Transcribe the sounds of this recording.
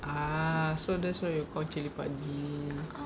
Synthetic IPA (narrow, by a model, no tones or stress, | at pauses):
asodɛswajokat͡ʃilipadi